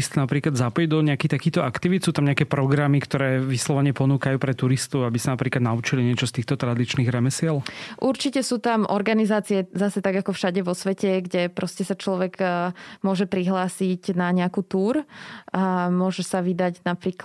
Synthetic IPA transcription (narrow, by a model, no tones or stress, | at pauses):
st̪napɾiːklad̪zapɔjd̪ɔɲɛakixt̪akiːxt̪ɔakt̪iʋit̪suːt̪amɲɛakɛːpɾɔɡɾamikt̪ɔɾɛːʋislɔʋaɲɪɛpɔnuːkajuːpɾɛt̪uɾist̪ɔʊabisanapɾiːklad̪naut͡ʃiliɲɪɛt͡ʃɔst̪iːxt̪ɔt̪ɾad̪it͡ʃniːɣɾɛmɛsɪɛlʔuɾt͡ʃicɛsuːt̪amʔɔɾɡanizaːt͡siɛzasɛt̪aɡakɔfʃaɟɛʋɔsʋɛcɛɡɟɛpɾɔscɛsat͡ʃlɔʋɛɡmʊɔʒɛpɾiɦlaːsiɟnaɲɛakuːt̪uːɾ | mʊɔʒɛsaʋid̪aɟnapɾiːk